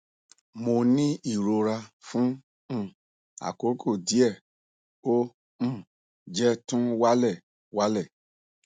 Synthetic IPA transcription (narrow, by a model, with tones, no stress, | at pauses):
mo˧nĩ˦i˦˨ɾo˧ɾa˧fũ˦˨ | a̰˨ko˨˦kʰo˦˨di˦ɛ˦˨ | õ˦˨ | d͡ʒɛ˦tũ˦wa˦lɛ˦˨ | wa˦lɛ˦˨